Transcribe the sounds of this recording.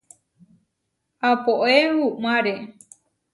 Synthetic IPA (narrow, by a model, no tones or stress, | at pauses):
apoʔehumaɾe